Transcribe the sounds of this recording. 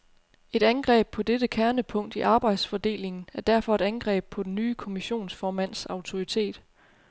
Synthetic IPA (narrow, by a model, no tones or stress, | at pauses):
e̝ɾ̥ænɡ̥ʁɛ̰ːb̥̚pʰɒ̽d̥ed̥əkʰæɐnəpʰɔ̽ŋ̰d̥iʔɑ̈ːb̥ɑ̈ɪd̥sfɒd̥e̝̰ːle̝ŋn̩æɐd̥æɐfɒ̽e̝ɾ̥ænɡ̥ʁɛ̰ːb̥̚pʰɒ̽d̥n̩ːyːkʰo̝miɕo̝̰ːnsfɒːmæn̰sɑ̈ʊt͡sʰo̝ʁit͡sʰe̝̰ːd̥